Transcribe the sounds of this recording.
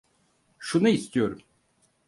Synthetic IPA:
ʃunuist̪ʰijo̞ɾum

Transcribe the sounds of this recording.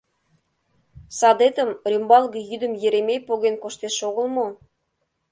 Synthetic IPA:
sɑd̪et̪ə̆mrʲymbɑlˠɣɤ̆jyd̪ə̆mjĕɾemʲejpoɣenkoʃt̪eʃoɣə̆lmo

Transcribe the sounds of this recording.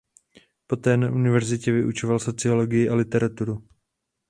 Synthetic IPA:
po̞t̪ɛːnaʔunɪvɛɾzɪcɛvɪʔut͡ʃo̞valso̞t͡sɪo̞lo̞ɡɪjɪʔalɪt̪ɛɾat̪uɾu

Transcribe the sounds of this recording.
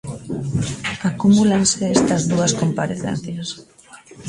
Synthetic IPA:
akumulaŋseest̪ɐzðuɐskompaɾeθḛn̟θjɐs

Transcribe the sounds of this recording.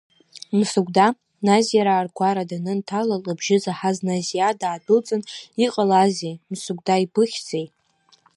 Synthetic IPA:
msuɡʷda | nazijaɾaːrɡʷaɾadanɨntʰalalabʒɪzaħaznazijadaːdɨlt͡sʼɨniqʼəlazemsuɡ̚ʷdaibʰɨχʲd͡zej

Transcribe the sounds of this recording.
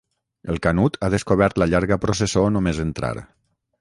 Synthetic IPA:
əlˠkanut̪ʰaðəskoβ̞ɛɾt̪ləʎaɾɣəpɾosesonomezənt̪ɾa̰ɾ

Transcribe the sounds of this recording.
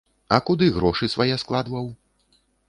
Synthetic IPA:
ɐkud̪ɨɣɾɔʂɨsvajɛsklˠad̪vɐw

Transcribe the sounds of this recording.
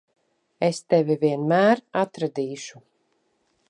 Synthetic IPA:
est̪ɛvʲivʲiɛnmæːɾat̪ɾad̪iːʃu

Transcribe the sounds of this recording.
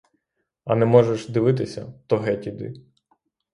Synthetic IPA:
ɐnɛmɔʒɛʃd̪ɪʋɪt̪̬ɪsʲɐt̪ɔɦɛtʲid̪ɪ̰

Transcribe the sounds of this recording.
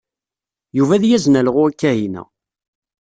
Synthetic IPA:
juvæðjæznælʁʊækːæhinæ̰

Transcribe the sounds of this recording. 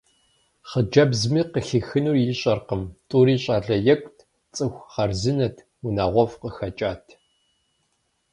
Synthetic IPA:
χəd͡ʒɐbzmiːqəɬixɨnuːrjiɕʼɐrqəmtʼuːɾiːɕʼaːɮɐjɛkʷʼtʰ | t͡sʼɨxʷχɐrzɨnɐtʰ | wunaːʁʷɔfqəxɐt͡ʃʼaːtʰ

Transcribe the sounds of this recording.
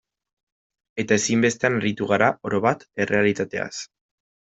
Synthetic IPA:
e̞t̪ae̞simbe̞st̪e̞anarit̪uɣ̞aɾao̞ɾo̞βat̪e̞re̞alit̪at̪e̞̰a̰s

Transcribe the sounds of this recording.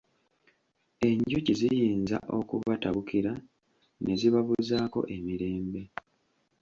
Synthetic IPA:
e̞ɲɟucizijiːnza̰ʔo̞kuβataβukiɾa | nʔe̞ziβaβuzaːko̞̰ʔe̞miɾe̞ːmbe̞

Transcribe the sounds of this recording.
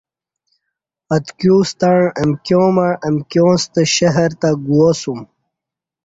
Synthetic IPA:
ɐt̪kjuːst̪aɳemkjõmaɻemkjõːst̪əɕɐɦɐɾt̪aɡuosum

